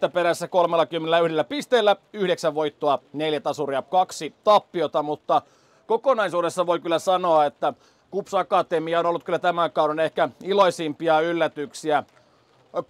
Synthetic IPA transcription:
t̪æpeɾæsːækolmelːɑkymːenelæyhɾdelːæpist̪eːlːæyhɾeksæʋʋoit̪ːoɑneljæt̪ɑsuriɑkɑksit̪ɑpːiot̪ɑmut̪ːɑ | kokonɑisuːdesːɑʋoikylːæsɑnoɑet̪ːæ | kupsɑkɑt̪emiɑonolːut̪kylːæt̪æmækɑuɾenehkæiloisimpiɑylːæt̪yksiæ

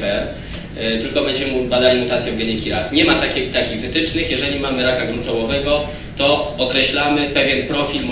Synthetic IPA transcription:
ɛ | t̪ɘlkɔbɛɲd͡ʑɛubad̪alʲimut̪at̪sʲjɔ̃w̃ɡɛɲʲɛkʲiɾasɲɛmat̪akʲɛt̪akʲiɣvɘt̪ɘt͡ʂnɘxjɛʐɛlʲimamɘɾakaɡɾunt͡ʂɔwɔvɛɡɔ | t̪ɔːkɾɛɕlamɘpɛvʲjɛnpɾɔfʲilm

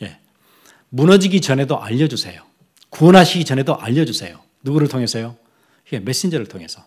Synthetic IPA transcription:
je̞̰ | munʌd͡ʑiɡit͡ɕʌne̞doʔaʎːʌd͡ʑusʰe̞̰jo | kuʌnɦaɕʰiɡit͡ɕʌne̞doʔa̰ʎːʌd͡ʑusʰe̞jo | nuɡuɾɯɭtʰoŋɦe̞sʰʌjo | iɡeme̞s͈ind͡ʑʌɾɯɭtʰoŋe̞sʰʌ

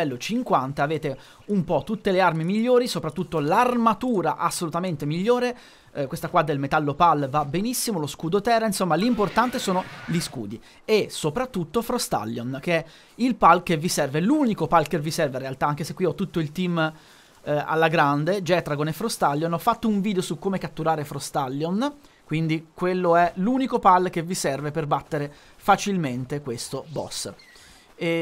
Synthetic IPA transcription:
ɛlːot͡ʃiŋkwant̪aːveːt̪e | umpɔt̪ːut̪ːelearmimiʎːoːɾisopɾat̪ːut̪ːolarmat̪uːɾaʔasːolut̪ament̪emiʎːoːɾe | kwest̪akwad̪ːelmet̪alːopalvabenisːimoloskud̪ot̪ɛːɾainsomːalimport̪ant̪esoːnoliskṵːd̪i | esopɾat̪ːut̪ːofɾost̪a̰lːjonk̟eɛ | ilpalkevːisɛrveluːnikopalkevisɛrvearːealt̪aaŋkesekːwiɔt̪ːut̪ːoilt̪im | a̰lːaɡɾand̪ed͡ʒɛːt̪ɾaɡonefːɾost̪alːjonɔfːat̪ːouɱviːd̪eosukːomekat̪ːuɾaːɾefɾost̪alːjonkwind̪ikwelːoɛlunikopalk̟evːisɛrveperbat̪ːeɾe | fat͡ʃilment̪ekwest̪obɔ̰sː

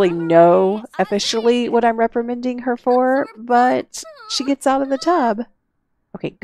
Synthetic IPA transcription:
lˠinoʊɨfɪʃl̩ˠiwʌɾãɪ̃mɹɛpɹɨmɛ̃ndɪ̃ŋə˞fə˞b̥ʌt̚ʃiɡɛtsaʊɾʌvðɨtʰʌb̥ | ʔoʊkʰeɪɡ

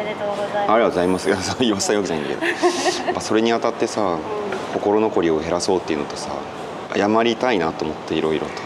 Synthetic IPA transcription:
aɾiat̪zaimasɨasoiβassajokɯ̟anaĩnd̪akḛoapːaso̞ɾe̞ɲ̟iat̪at̪ːe̞sako̞ko̞ɾo̞no̞ko̞ɾʲio̞e̞ɾaso̞ːt̪ːeiɯ̟not̪o̞sa̰ | a̰jamaɾʲit̪ainat̪oːmo̞t̪ːeiɾo̞iɾo̞̰t̪o̥

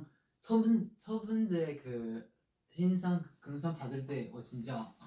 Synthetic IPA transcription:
t͡ɕʰʌbɯnt͡ɕʰʌbɯnd͡ʑekɯ | ɕʰinsʰaŋkɯms̬ʰaŋpadɯɭt͈e̞wʌt͡ɕint͡ɕ͈a

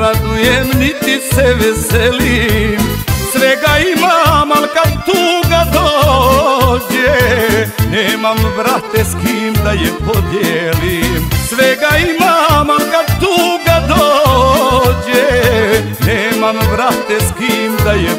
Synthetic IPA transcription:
ɾad̪ujɛmnit̪isɛʋɛsɛlimsʋɛɡaimamalkad̪t̪uɡad̪o | d͡ʑe | neːmamvɾat̪eskimd̪ajɛpod̪jelimsʋɛɡaimamalkad̪t̪uɡad̪o | d͡ʑe | neːmambɾat̪eskimd̪ajɛ

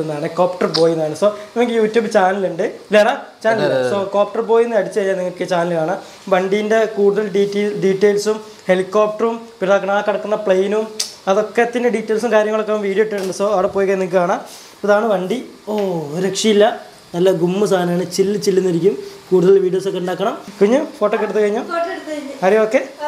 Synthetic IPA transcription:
nːaːɳɨkoːpʈɐrbo̞ːjunːaːɳɨso̞ːnɐmɐkʲːiljuːtːuːbt͡ɕaːnɐluɳɖɨilːɐɽaːt͡ɕaːnɐlsoːkoːp̚ʈɐrbo̞ːjunːɨɐɽit͡ɕːɨejːaːniŋːɐokːet͡ɕaːnɐlkaːɳa | ʋɐɳɖijinde̞kuːɽuðɐlɖitːiɖiːʈːeːlsum | he̞likːoːp̚ʈɐrumpiɾnɐkːɐɳaːkːɐɽɐkːunːɐpɭejnumɐðo̞kːet̪ːɐnɨɖiːtːeːlsumkaːɾjɐŋːɐɭokːemʋiːɽiiʈːɨʈːuɳɖɨsoːɐɽɐpːo̞ːjikːɐnːiŋk̬ːɨkaːɳa | ɐðaːɳɨʋɐɳɖi | oːɾekʂijilːɐ | nɐlːɐɡumːɨsaːnaːɳɨt͡ɕilːɨt͡ɕilːinːiɾikʲːumkuːɽuðɐlilʋiːɽijo̞ːsokːeuɳɖaːkːɐɳɐmkuɲːufo̞ːʈːoːkːeɽut̪ːukɐɻiɲːuɽt̪ːɐɲːɐɾijooːkːe

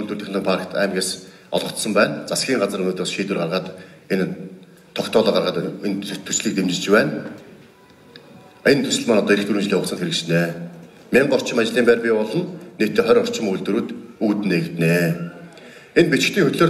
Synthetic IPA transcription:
uɮt̪wurt̪eχnəːpʰarkt̪ʰæ̰ːmɣeːs | ɔ̰ɮʁɞ̆t̪sɞ̆mpæːnt͡sasɡʲiːŋɢat͡sə̆rɵnoːt̪rɔːsʃiːt̪wɘ̆rʁarʁaːt̪ | en | t̪ʰɔkt̪ʰɔːɮɔːɢarʁaːt̪nt̪ʰu̥sɮiːk̚t̪emt͡ɕɪ̆t͡ɕpæːn | ent̪ʰɵsɘ̆ɮmaːnɔt̪ɔːiɾɘ̆xt̪ʰuɾɘ̆mt͡ɕɮiːxʊsə̆nxeɾɘ̆kt͡ɕneː | mʲeɴɢɔr̥t͡ɕʰɪ̆mat͡ɕɮiːmpæːrpʲipɔɮɞ̆nːeːkʰt̪ːeːχœɾʲɔr̥t͡ɕɪ̆mujɮt̪ŭɾuːt̪uːt̪ɘ̆neɣ̆t̪neː | enpit͡ɕɪ̆kt̪iːŋxɵt̪ɮoːr

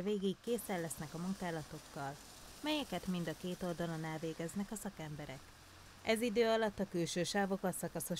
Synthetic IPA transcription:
veːɡikːeːsɛlːɛsnɛkɒmuŋkaːlɒt̪o̞kːɒl | mɛjɛkɛt̪mind̪ɒkeːt̪o̞ld̪ɒlo̞nːaːlveːɡɛznɛkɒsɒkɛmbɛɾɛk | ʔɛzid̪øːɒlɒt̪ːɒkylʃøːʃaːvo̞kɒsɒkɒso̞

